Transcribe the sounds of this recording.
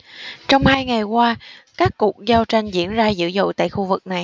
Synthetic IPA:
t͡ɕɔ˧wŋ͡mhaː˧jŋa˨˩jkwaː˧kaː˦˥kːu˨˩ək̚zaː˧wt͡ɕa˧jŋ̟zḭ˧˥ənzaː˧zɨ̰˧˥zo̰˧˨jt̪a̰ː˧˨jxu˧vɨ˨˩k̚na˨˩j

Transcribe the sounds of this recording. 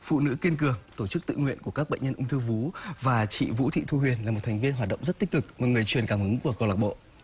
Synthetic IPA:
fṵ˧˨nɨ̰˧˥ki˧ənkɨ˨˩əŋt̪o˧˩t͡ɕɨ˦˥k̚t̪ɨ̰˧˨ŋwḭ˧˨ənku˧˩əkaː˦˥k̚ɓə̰˧˨jɲə˧nʔʊ˧wŋ͡mt̪ʰɨ˧vu˨˦vaː˨˩t͡ɕḭ˧˨vṵ˧˥t̪ʰḭ˧˨t̪ʰu˧ɦwi˨˩ənlaː˨˩mo˨˩t̚t̪ʰŋ̟vi˧ənhwaː˨˩t̚ɗə̰˧˨wŋ͡mzə˦˥t̚t̪i˦˥k̟̚kɨ˨˩k̚mo˨˩ŋɨ˨˩əjt͡ɕwi˨˩ənkaː˧˩mhɨ˨˦ŋku˧˩əkə˧wlaː˨˩k̚ɓo̰˧˨

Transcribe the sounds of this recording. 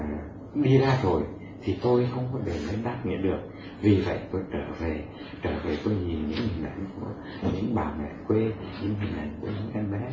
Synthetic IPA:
ɗi˧zaː˧t̪ʰo˨˩j | t̪ʰi˨˩t̪o˧jxə˧wŋ͡mkɔ˨˦ɓe˨˩məː˨˦ɗaː˦˥t̚ŋḭ˧˨˥ɗɨ˨˩ək̚ | vi˨˩və̰˧˨jt̪o˧jt͡ɕəː˧˩ve˨˩ | t͡ɕəː˧˩ve˨˩t̪o˧jɲi˨˩ənɲɨ̰˧˥ŋhi˨˩ŋʔa̰˧˩jŋku˧˩ə | ɲɨ̰˧˥ŋɓaː˨˩mɛ̰˧˨kwe˧ɲɨ̰˧˥ŋhï˨˩ŋ̟ʔa˨˩jŋ̟ku˧˩əɲɨ̰˧˥ŋʔɛ˧nɓɛ˧˥

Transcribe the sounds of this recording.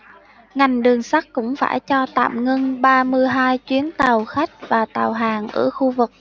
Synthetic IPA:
ŋa˨˩jŋ̟ɗɨ˨˩əŋsa˦˥k̚kʊ̰˧˥ŋ͡mfa̰ː˧˩jt͡ɕɔ˧t̪a̰ː˧˨mŋə˧ŋɓaː˧mɨ˧əjɦaː˧jt͡ɕwi˨˦ənt̪a˨˩wxa˦˥jk̟̚vaː˨˩t̪aː˨˩wɦaː˨˩ŋʔə̰ː˧˩xu˧vɨ˨˩k̚

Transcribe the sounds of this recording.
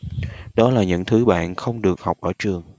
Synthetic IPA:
ɗɔ˨˦laː˨˩ɲɨ̰˧˥ŋt̪ʰɨ˨˦ɓa̰ː˧˨nxə˧wŋ͡mɗɨ˨˩ək̚ha˨˩wk͡p̚ʔəː˧˩t͡ɕɨ˨˩əŋ

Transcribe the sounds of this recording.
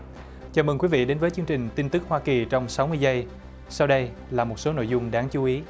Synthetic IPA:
t͡ɕaː˨˩məː˨˩ŋkwi˨˦vḭ˧˨ɗe˨˦nvəː˨˦jt͡ɕɨ˧əŋt͡ɕï˨˩ŋ̟t̪i˧nt̪ɨ˦˥k̚hwaː˧ki˨˩t͡ɕɔ˧wŋ͡msa˨˦wmɨ˧əjzə˧j | sa˧wɗə˧j | laː˨˩mo˨˩t̚so˨˦no̰˧˨jzʊ˧ŋ͡mɗaː˨˦ŋt͡ɕu˨˦ʔi˨˦

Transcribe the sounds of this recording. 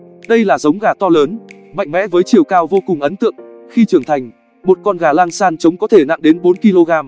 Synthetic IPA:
ɗə˧jlaː˨˩zə˨˦wŋ͡mɣaː˧˩t̪ɔ˧ləː˨˦n | ma̰˧˨jŋ̟mɛ̰˧˥vəː˨˦jt͡ɕi˨˩əwkaː˧wvo˧kʊ˨˩ŋ͡mʔə˨˦nt̪ɨ̰˧˨əŋxi˧t͡ɕɨ˧˩əŋt̪ʰa˨˩jŋ̟ | mo˨˩t̚kɔ˧nɣaː˧˩laː˧ŋsaː˧nt͡ɕə˨˦wŋ͡mkɔ˨˦t̪ʰe˧˩na̰˧˨ŋɗe˨˦nɓo˨˦nki˧lo˧ɣaː˧m

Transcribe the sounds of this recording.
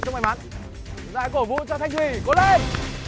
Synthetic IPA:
t͡ɕŋ͡mʔa˧˩jma˨˦n | la̰ː˧˨jko˧˩vṵ˧˨t͡ɕɔ˧t̪ʰa˧jŋ̟twi˧˨˩ko˨˦le˧n

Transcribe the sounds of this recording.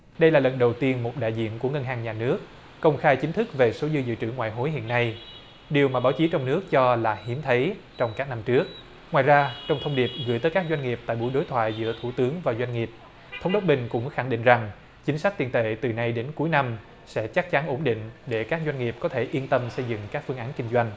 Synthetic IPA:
ɗə˧jlaː˨˩lə˨˩nɗə˨˩wt̪i˧ənmo˨˩t̚ɗa̰ː˧˨jzḭ˧˨ənku˧˩əŋə˧nɦaː˨˩ŋɲaː˨˩nɨ˦˥ək̚ː | ə˧wŋ͡mxaː˧jt͡ɕï˨˦ŋ̟t̪ʰɨ˦˥k̚ve˨˩so˨˦zɨ˧zɨ̰˧˨t͡ɕɨ̰˧˩ŋwa̰ː˧˨jɦo˨˦jɦḭ˧˨ənːa˧j | ɗi˨˩əwmaː˨˩ɓaː˨˦wt͡ɕi˨˦t͡ɕɔ˧wŋ͡mnɨ˦˥ək̚t͡ɕɔ˧laː˨˩hi˨˦mt̪ʰə˨˦jt͡ɕɔ˧wŋ͡mkaː˦˥k̚na˧mt͡ɕɨ˦˥ək̚ | ŋwaː˨˩jzaː˧t͡ɕɔ˧wŋ͡mt̪ʰə˧wŋ͡mɗi˨˩p̚ɣɨ̰˧˩əjt̪əː˨˦kaː˦˥k̚zwa˧jŋ̟ŋi˨˩əp̚t̪a̰ː˧˨jɓṵ˧˩jɗo˨˦jt̪ʰwa̰ː˧˨jzɨ̰˧˥ət̪ʰu˧˩t̪ɨ˨˦əŋvaː˨˩zwa˧jŋ̟ŋi˨˩əp̚ | t̪ʰə˨˦wŋ͡mɗə˦˥wk͡p̚ɓï˨˩ŋ̟kʊ̰˧˥ŋ͡mxa˧˩ŋɗḭ˧˨ŋ̟za˨˩ŋ | t͡ɕï˨˦ŋ̟sa˦˥k̚t̪i˨˩nt̪ḛ˧˨t̪ɨ˨˩na˧jɗe˨˦nku˨˦jna˧m | sɛ̰˧˥t͡ɕa˦˥k̚t͡ɕa˨˦nʔo˧˩nɗḭ̈˧˨ŋ̟ɗe˧˩kaː˦˥k̚zwa˧jŋ̟ŋi˨˩əp̚kɔ˨˦t̪ʰe˧˩ʔi˧ənt̪ə˧msə˧jzɨ̰˧˨ŋkaː˦˥k̚fɨ˧ŋʔaː˨˦nkï˧ŋ̟zwa˧jŋ̟

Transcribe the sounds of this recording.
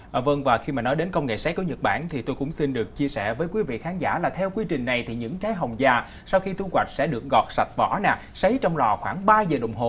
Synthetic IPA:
ʔəː˨˩və˧ŋvaː˨˩xi˧maː˨˩nɔ˨˦jɗe˨˦nkə˧wŋ͡mŋḛ˧˨sa˨˦˥jku˧˩˦ɲə˨˩t̚ɓa̰ː˧˩nt̪ʰi˨˩t̪o˧jkʊ̰˧˥ŋ͡msi˧nɗɨ˨˩ək̚t͡ɕi˧əsɛ̰˧˩vəː˨˦jkwi˨˦vḭ˧˨xaː˨˦nza̰ː˧˥laː˨˩t̪ʰɛ˧wkwi˧t͡ɕï˨˩ŋ̟na˨˩jt̪ʰi˨˩ɲɨ̰˧˥ŋt͡ɕaː˨˦jɦa˨˩wŋ͡mzaː˨˩ | sa˧wxi˧t̪u˧kwa˨˩jk̚sɛ̰˧˥ɗɨ˨˩ək̚ɣɔ˨˩t̚sa˨˩t̚vɔ̰˧˩˥naː˨˩ | sə˨˦jt͡ɕɔ˧wŋ͡mlɔː˨˩xwaː˧˩ŋɓaː˧zəː˨˩ɗə̰˧˨wŋ͡mɦo̰˨

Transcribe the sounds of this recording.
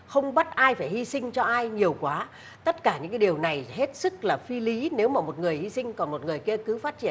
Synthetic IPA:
xə˧wŋ͡mɓə˦˥t̚ʔaː˧jfaː˧˩jhi˧sï˧ŋ̟t͡ɕɔ˧ʔaː˧jɲi˨˩əwkwaː˨˦ | t̪ə˦˥t̚kaː˧˩ɲɨ̰˧˥ŋkaː˨˦ɗi˨˩əwna˨˩jhe˦˥t̚sɨ˦˥k̚laː˨˩fi˧li˨˦ne˨˦wmaː˨˩mo˨˩t̚ŋɨ˨˩əjhi˧sï˧ŋ̟kɔ˨˩nmo˨˩t̚ŋɨ˨˩əjki˧əkɨ˨˦faː˦˥t̚t͡ɕi˧˩˨ə˨n

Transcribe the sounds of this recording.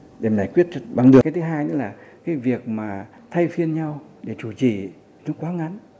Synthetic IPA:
ɗe˧˩m˨zaː˨˧˩jkwi˦˥ət̚t͡ɕɓa˨˧˩ŋɗɨ˨˩˨a˨˦jt̪ʰɨ˨˦ɦaː˧jɲɨ˨˦laː˨˩kaː˨˦jvi˨˩ək̚maː˨˩ | t̪ʰa˧jfi˧ənɲa˧w | ɗe˧˩t͡ɕu˧˩t͡ɕḭ˧˩ | nɔ˨˦kwaː˨˦ŋa˨˦n

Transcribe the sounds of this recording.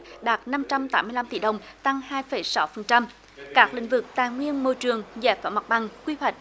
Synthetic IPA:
ɗaː˨˩t̚na˧mt͡ɕa˧mt̪aː˦mːɨ˧əjla˧mt̪i˧˩ɗə˨˩wŋ͡mt̪a˧ŋhaː˧jfə˧˩jsa˧˦wfə˨˩nt͡ɕa˧m | kaː˦˥k̚lḭ̈˧˥ŋ̟vɨ˨˩k̚t̪aː˨˩jŋwi˧ənmo˧˩jt͡ɕɨ˨˩əŋzɛ̰ː˧˥jfaː˧˩ma˨˩t̚ɓa˨˩ŋkwi˧hwa˨˩jk̟̚

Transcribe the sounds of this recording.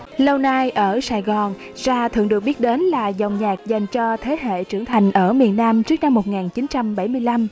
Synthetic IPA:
lə˧wna˧jʔəː˧˩saː˧˩jɣɔ˨˩n | zaː˧t̪ʰɨ̰˧əŋɨ˨˩ək̚ɓi˦˥ət̚ɗe˨˦nlaː˨˩zə˨˩wŋ͡mɲaː˨˩k̚za˨˩jŋ̟t͡ɕɔ˧t̪ʰe˨˦ɦḛ˧˨t͡ɕɨ˧˩əŋt̪ʰa˨˩jŋ̟ʔəː˧˩mi˨˩ənːaː˧mt͡ɕɨ˦˥ək̚na˧mːo˨˩t̚ŋaː˨˩nt͡ɕi˨˦nt͡ɕa˧mɓa˧˩jmɨ˧jla˧m

